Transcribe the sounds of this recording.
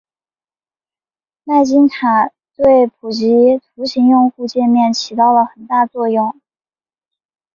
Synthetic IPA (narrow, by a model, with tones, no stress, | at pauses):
na˥˩ɪt͡ɕi˥ŋtʰa˨˩ | t̪we˥˩ɪpʰu˨˩t͡ɕi˧˥t̪ʰu˧˥ɕi˧˥ŋjʊ˥˧ŋxu˥˧t͡ɕjɛ˥˧nmjɛ˥˩nt͡ɕʰi˧˥t̪ɑ˥˩ʊlə˩xə˨˩nt̪a˥˧t͡swɔ˥˧jʊ˥˩ŋ